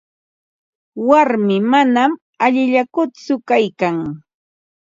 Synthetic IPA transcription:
waɾmɪmanam | aʎɪʎakʊt͡sʊkajkaŋ

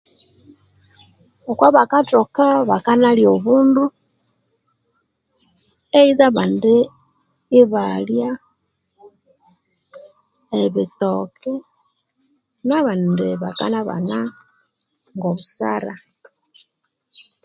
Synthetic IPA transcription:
okwaβakatokaβakanaljoβuːndu | eiðaβande | iβalja | eβitokʰi | naβandeβaka̰naβa̰na | ŋɡoβusa̰ɾa

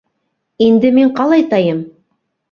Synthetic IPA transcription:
ind̪ɘmiɴqɑlˠɑjt̪ɑjɤm

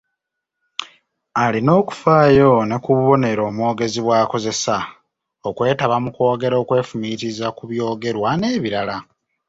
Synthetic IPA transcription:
alino̞ːku̥faːjo̞nekuβuβo̞ne̞ɾo̞ːmwo̞ːɡe̞ziβwaːko̞ze̞sa | okwe̞ːtaβamuko̞ːɡe̞ɾo̞ːkwe̞ːfumitizakuβjo̞ːɡe̞ɾwane̞ːβiɾala

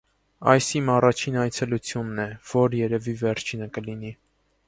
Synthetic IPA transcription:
ɑ̰jsimɑrɑt͡ʃʰinɑjt͡sʰɛlut͡sʰjunːɛv̥ɔɾjɛɾɛvivɛɾt͡ʃʰinəkəlini

